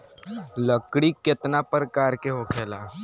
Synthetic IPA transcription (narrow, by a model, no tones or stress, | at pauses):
ləkɽikɪt̪napəɾkaːɾkeɦokʰeːlaː